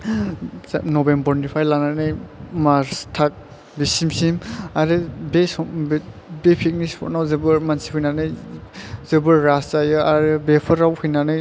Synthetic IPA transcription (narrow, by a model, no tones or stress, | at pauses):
nɔbembɔɾnipʰajlananɯjmaɾstʰak̚ | bisimsimaɾɯbesɔ | bepʰik̚nispʰɔ̰ɾnawzɯbɯɾmansiɦujnanɯj | zɯbɯɾːaszajɯaɾɯbepʰɔɾawhɯjnanɯj